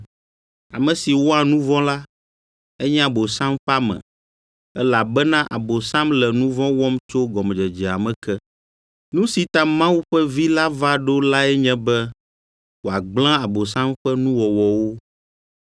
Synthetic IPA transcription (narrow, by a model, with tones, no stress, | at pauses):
a̰˨mɛ̃˨si˨wɔ˦a˨nũ˦vɔ̃˦la˦ | ɛ˦ɲɛ̃˦a˨bo˨sã˦mɸa˦mɛ̰̃˨ | ɛ˦la˨bɛ˦nã˦ʔa˨bo˨sã˦mlɛ˨nũ˦vɔ̃˦wɔ˦mt͡ʃo˦ɡɔ˨md͡ʒɛ˨d͡ʒɛ˨a˨mɛ̃˨kɛ˦ | nũ˦si˨t̪a˨mã˦wu˦ɸɛ˦vi˦la˦va˦ɖo˦la˦ɛ˦ɲɛ̃˦bɛ˦ | wo˨a˨ɡ͡blã˦a˨bo˨sã˦mɸɛ˦nũ˦wɔ˨wɔ˨wo˦